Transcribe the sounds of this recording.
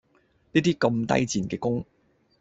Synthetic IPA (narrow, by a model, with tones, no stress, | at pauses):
niː˥t̪iː˦˥kɐ˧mt̪ɐ̰˥jt͡siː˨˩nkɛː˧kʊ˥ŋ